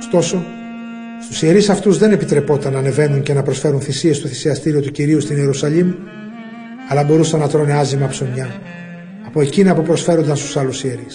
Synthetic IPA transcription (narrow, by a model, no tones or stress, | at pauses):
o̥st̪o̞so̞ | st̪usie̞ɾisɐft̪uzðe̞ne̞pit̪ɾe̞po̞t̪ɐnɐːne̞ve̞nunce̞nɐpɾo̞sfe̞ɾunθisie̞st̪o̞θi̥siɐst̪iɾio̞t̪uciɾiust̪ineɾusɐʎim | ɐlɐbo̞ɾusɐnːɐt̪ɾo̞ne̞ɐzimɐpsomɲɐː | po̞e̞cinɐpupɾo̞sfe̞ɾo̞nd̪ɐnst̪u̥sɐlusie̞ɾis